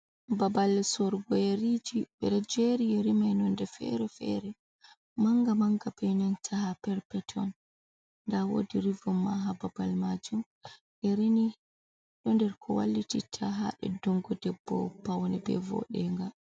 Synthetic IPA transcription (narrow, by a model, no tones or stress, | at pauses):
babalːsɔɾɡɔjeɾid͡ʒibɛɾɛd͡ʒeɾijɛɾimajnɔndɛfɛ̰ɾɛfɛ̰ɾɛ | maŋɡamaŋɡabɛnantʰahapɛɾpɛtʰɔn | nːdawo̰ːdiɾivɔmːaɦababalmad͡ʒum | ʔɛɾini | ɗɔndɛɾkʰɔwa̰lːititʰaɦa̰ɗɛ̰dɔŋɡɔdɛbːɔ̰pawnɛbɛ̰vɔ̰ɗɛŋɡa